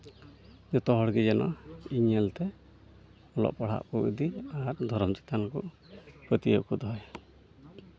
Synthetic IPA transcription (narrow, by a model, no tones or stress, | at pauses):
nut̪ɔɦɔɽɡid͡ʒɛnʔɔiɲɛlt̪e | ɔlɔ̰ʔpɔɽ̤a̰ʔkuʔud̪iaɾd̪ʱɔɾɔmt͡ʃit̪anɔku | pɾɔt̪iɔ̰ʔkud̪ɔe